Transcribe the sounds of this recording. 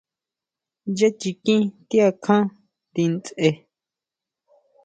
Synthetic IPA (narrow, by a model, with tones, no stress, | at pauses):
je˦t͡ʃi˧kĩ˦t̪i˦a˧kʰã˦ | t̪i˧nt͡se˧